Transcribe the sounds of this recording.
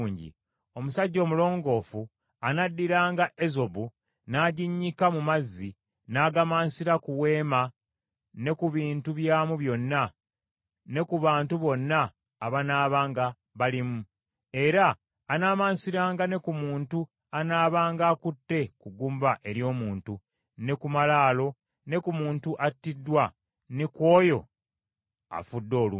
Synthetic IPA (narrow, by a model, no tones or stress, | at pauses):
ɲɟḭ | o̞musaɟːo̞ːmulo̞ːŋɡo̞ːfu | anadːiɾaːŋɡaʔe̞zo̞βu | naːɟiɲːikamumazːi | naːɡamaːnsiɾakuwe̞ːma | ne̞kuβiːntuβjaːmuβjo̞nːa | ne̞kuβaːntuβo̞nːaː | βanaːβaːŋɡa | βalimu | e̞ɾaː | naːmaːnsiɾaːŋɡane̞kumuːntu | anaːβaːŋɡaːkutːe̞kuɡuːmbaʔe̞ɾjo̞ːmuːntu | ne̞kumalaːlo̞ | ne̞kumuːntuʔatːidːwa | niko̞ːjo̞̰ | a̰fudːo̞ːlṵ